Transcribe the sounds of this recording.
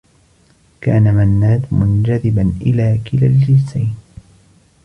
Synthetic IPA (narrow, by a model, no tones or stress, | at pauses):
kaːnamanːaːd̪mʊnd͡ʒaðɪbanʔɪlaːkɪlald͡ʒɪsajn